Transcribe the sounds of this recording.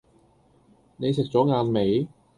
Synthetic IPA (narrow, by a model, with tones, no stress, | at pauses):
ne˨˧jsɪ˨k̚t͡sɔː˨˥ŋaː˨˧nme˨˥j